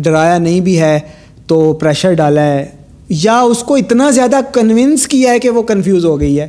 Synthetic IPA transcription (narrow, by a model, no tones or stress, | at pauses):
ɖɐɾaːjanɐɦĩbʱiɦɛː | t̪oːpɾɛːʃəɾɖaːlaɦɛː | jaʊskoɪt̪nazjaːd̪akɐnʋɪ̃nskiaɦɛkeʋokɐnfjuːzɦoːɡɐiɦɛː